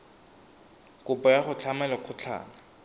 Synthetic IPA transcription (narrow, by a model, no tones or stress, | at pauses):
kʼʊpɔjaχʊt͡ɬʰamɛlɔq͡χʰʊt͡ɬʰa̰ːna